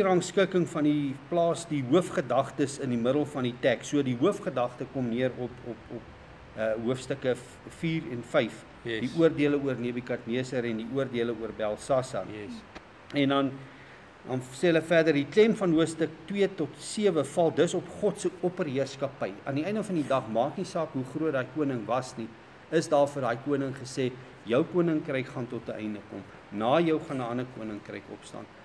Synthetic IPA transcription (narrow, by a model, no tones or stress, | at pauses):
ɾɑːnskəkəŋfɐniplɑːsdiɦuəfχədɐχtəsəndimədəlˠfɐnditɛksːuədiɦuəfχədɐχtəkɔmniəɾɔpɔpɔp̚ | əɦuəfstəkə | fiːrɛnfɛjf | diuərdiələuərniəbikɐtniəsəɾɛndiuərdiələuərbælˠsɑsɐ̰n | ɛndɐn | ɐnsɛɦələfæːrdərdiklɛmfɐnɦuəfstək̚twiətɔtsiəvəfɐlˠdəsɔpχɔtsəɔpərɦiərskɐpəjɐ̰ndiɛjndəfɐndidɐχmɑːknisɑːkɦuχruət̚dɑːjkuənəŋvɐsni | əsdɑːrfərdɦɑːjkuənəŋχəsɛː | jəwkuənəŋkrəjkχɐntɔtəɛ̰jndəkɔm | nɑːjəwχɐnəɐnəkuənəŋkrɛ̰jkɔ̰pstɑ̰ːn